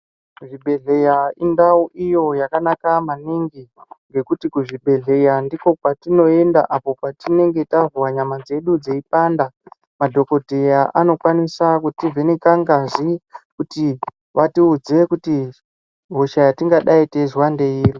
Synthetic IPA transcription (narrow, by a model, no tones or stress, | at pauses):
ʐibʱe̞ɮe̞jaindauʔijo̞jakanakamaniŋɡiŋɡe̞kutikuʐiɓʱe̞ɮe̞jandiko̞kwatino̞e̞nda̰ʔapo̞patine̞ŋɡe̞tavuwaɲamad͡ze̞ɗud͡zeip̚aːnda | madʱo̞ko̞dʱejaʔano̞kwanisakutivenekaŋɡaʐikuti | ʋatiud͡ze̞kuti | ɦoʃajatiŋɡaɗaitezwandeiːri